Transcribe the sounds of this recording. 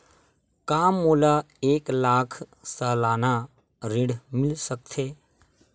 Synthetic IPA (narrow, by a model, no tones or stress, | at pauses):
kaːmːoːla | eːklaːkʰsəːlaːna | ɾiɽmɪlsək̚t̪ʰeː